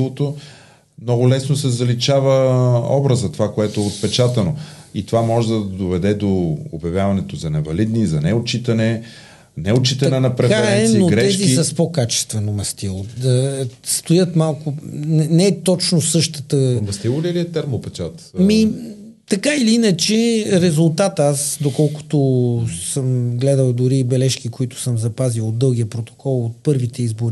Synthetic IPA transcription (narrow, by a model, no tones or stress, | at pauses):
lˠot̪o | mnɔɡʊlɛsnosɛzɐlit͡ʃavəɔ̰bɾəzɐt̪ovakoɛt̪oɛot̪̚pɛt͡ʃat̪ɐnoit̪ovamɔʒɛd̪ɐd̪ovɛd̪ɛd̪oo̰bjɐvʲjavɐnɛt̪ozɐnɛvɐlid̪nizɐnɛot͡ʃit̪ɐnɛ | nɛot͡ʃit̪ɐnɛnɐpɾɛfaɛɾɛnɛsniːoɡɾɛɛʃzkiisɐspokat͡ʃɛ̥st̪vɛnomɐst̪ilˠod̪ɐst̪ojət̪malˠkʊnɛnɛɛt̪ɔt͡ʃnosɤʃt̪ət̪əmɐst̪ilˠoliliɛt̪ɛɾmopɛt͡ʃat̪mi | t̪ɐkailiinət͡ʃɛɾɛzulˠt̪at̪əasd̪okɔlˠkʊ̥t̪ʊsəmɡlɛd̪əlˠd̪ʊɾibɛlɛʃk̟ikoit̪ʊ̥səmzɐpazilˠod̪ːɤlˠɡ̟iəpɾot̪o̥kʰɔlˠot̪̚pɤɾvit̪ɛizboɾi